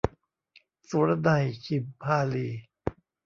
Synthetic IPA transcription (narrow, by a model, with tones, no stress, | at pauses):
su˨˦ɾa˧na˧˩jkʰi˨˩mpʰaː˧liː˨˧˩